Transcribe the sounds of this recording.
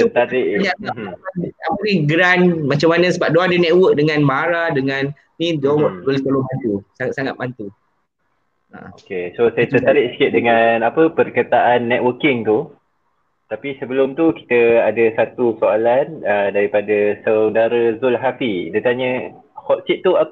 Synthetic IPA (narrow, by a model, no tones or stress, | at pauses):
t̪ət̪aɾɪʔɲaaiaməɾiɡɾanmat͡ʃamːanəsəbap̚doadənɛʔ̪̚wək̚dəŋãnmaɾadəŋãn | nĩd͡ʒombəlɪt̪olobant̪usaŋat̪saŋat̪̚mant̪u | a̰okesosajat̪ət̪aɾɪʔsə̥kɪʔ̚dəŋanapəpərkət̪aʔanːɛt̪wəkɪŋt̪u | t̪apisəbəlʊmt̪uki̥t̪əadəsat̪usoalanədaɾipadasəwdaɾəzʊlɦafidət̪aɲə | hɔt̪̚sit̪̚t̪ːua